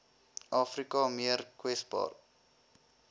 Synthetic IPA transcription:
ʔɑːfrikɑmiərkwɛsbɑ̰ːr

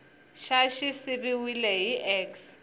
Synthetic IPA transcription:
ʃaʃisɪbɪwilɛɦiʔɛks

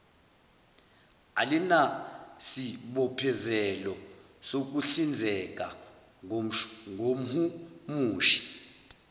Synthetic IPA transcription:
alinasiɓɔpʰɛzɛlɔ | sok̬uɬind͡zʱɛkʼa | ŋom̩humuːʃi̥

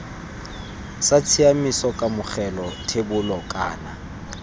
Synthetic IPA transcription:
sat͡sʰiamisɔkʼamʊχɛlɔtʰebʊlɔkʼa̰ːna

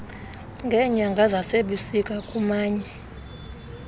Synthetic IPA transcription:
ŋɡʱɛɲaŋɡʱazaseɓisikʼakʼumaːɲɛ

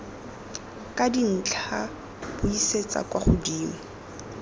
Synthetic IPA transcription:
kʼadin̩t͡ɬʰa | b̥ʊiset͡sa̰kʼwaχʊdiːma

